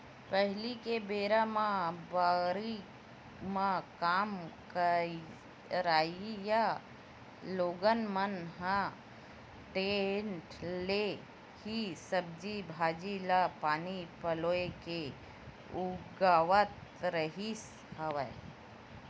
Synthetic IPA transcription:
pəɦlikebeːɾamãbaɾi | mãkaːmkə | ɾaːija | loːɡənmənɦã | ʈẽnʈle | hisəb̚d͡ʒibʱaːd͡ʒilapaːnipəloːeke | ʊɡaːʋət̪ɾəɦis | həʋə

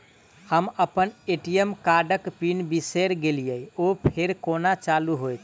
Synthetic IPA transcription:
həməpəneʈijəmkaɖəkpinbiseɾɡelijəjopʰeɾkonat͡ʃaluɦojt̪ʰ

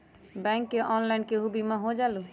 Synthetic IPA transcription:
bɛ̃ŋkːeʔɔnlaɪnkeɦubimeɦod͡ʒalu

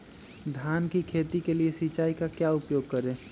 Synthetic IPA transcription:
d̪ʱjaːnkikʰeːt̪ikeliesit͡ʃaːikakjaʊpjoːɡ̚kəɾẽː

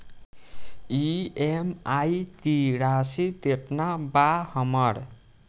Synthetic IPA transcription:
iemajt̪iɾasit̪epnabahʌmʌɽ

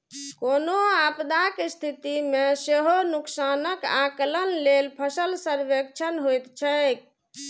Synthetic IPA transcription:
konoapd̪akest̪ʰit̪imeseɦonuksanəkaklənlelpʰəsəlsəɾbək̚t͡ʃʰənɦojt̪t͡ʃʰək

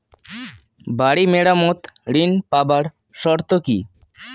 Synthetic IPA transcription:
baɽimeɽamɔt̪ɾinpabaɾ | ʃɔɾt̪oki

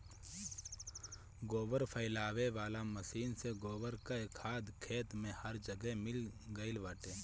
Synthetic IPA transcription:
ɡoːʋəɾpʰəɪlaːʋeʋaːlamɐsiːnseɡoːʋəɾkaekʰaːd̪kʰeːt̪mẽhɐɾd͡ʒəɡɛmɪlɡəɪlʋəʈẽː

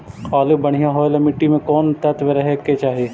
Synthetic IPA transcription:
qaːlɪbɐɽ̤ijãɦoːlɐmɪʈːimẽkɔːnt̪ɐt̪ʋeɾɐɦekːet͡ʃaːɦieː

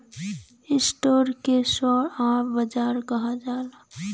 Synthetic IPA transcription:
ɪsʈoːɾkesɔɾaːbɐd͡ʒaːɾkɐɦad͡ʒaːla

